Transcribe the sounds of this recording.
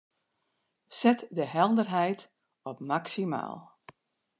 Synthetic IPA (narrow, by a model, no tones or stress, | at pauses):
sɛtdəɦɛlˠdərɦɛjt | ɔpmaksima̰ːlˠ